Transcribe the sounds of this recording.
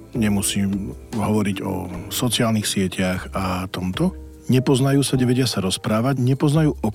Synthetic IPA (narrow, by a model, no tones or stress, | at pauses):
ɲɛmusiːmɦɔʋɔɾiɟɔ̰sɔt͡sɪaːlnixsɪɛcʰaɣat̪ɔmt̪ɔ | ɲɛpɔznajuːsaɲɛʋɛɟɪasaɾɔspɾaːʋaɟɲɛpɔznajuːʔɔ